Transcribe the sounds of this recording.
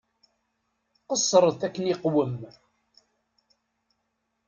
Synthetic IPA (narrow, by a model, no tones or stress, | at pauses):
qəsˤːɾˤəθækːəniqwəm